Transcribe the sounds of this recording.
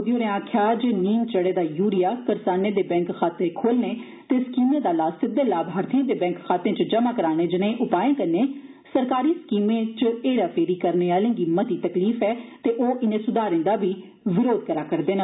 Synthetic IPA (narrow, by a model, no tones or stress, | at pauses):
od̪ijoːɾẽãːkʰjaːd͡ʒniːnt͡ʃəɽeːd̪aːjuːɽɪjaːkəɾsaːnẽːd̪eːbɛ̃ːŋkxaːt̪ẽːkʰoːlneː | t̪eːskiːmẽːd̪aːlaːssɪd̪eːlaːbʱaːɾt̪ʰĩːd̪eːbɛ̃ːŋkxaːt̪ẽːt͡ʃd͡ʒəmaːkəɾaːñeːd͡ʒɪnẽːʔʊpaːẽːkəɾneː | səɾkaːɾiːskiːmẽːt͡ʃeːɽaːpʰeːɾiːkəɾneːaːlẽːɡiːmət̪iːt̪əkliːfɛːt̪eːʔoːʔɪnẽːsʊd̪aːɾẽːnd̪aːbʱiː | ʋɪɾoːd̪̚kəɾaːkəɾd̪eːnaː